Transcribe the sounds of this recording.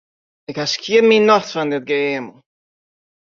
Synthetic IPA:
əkaskʰiəminɔθfand̪ɪd̪̚ɡeːmə

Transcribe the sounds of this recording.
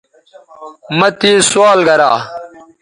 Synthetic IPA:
mɐt̪iːswaːlɡɐɾaː

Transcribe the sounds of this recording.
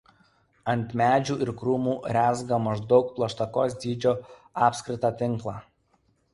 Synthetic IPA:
ɐnʲt̪ʲmʲæːd͡ʒʲuːʔɪɾkɾuːmuːɾʲæːzɡɐmɐʒd̪ɒʊk̚plˠɐʃt̪ɐkoːs̬d̪ʲiːd͡ʒʲoːɑːpʲsʲkɾʲɪt̪ɑːt̪ʲɪŋˑklˠɑː

